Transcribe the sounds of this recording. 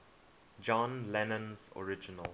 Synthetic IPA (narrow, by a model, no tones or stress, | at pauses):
d͡ʒɔ̃nlɛnə̃nzɔ̰ɹɪd͡ʒɪnəl